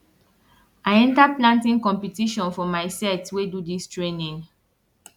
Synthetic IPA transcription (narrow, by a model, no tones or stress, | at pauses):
aɪɛ̃ntaplãntĩŋkɔ̃mpitiʃɔ̃nfɔmaɪsɛtwedudistɹenĩŋ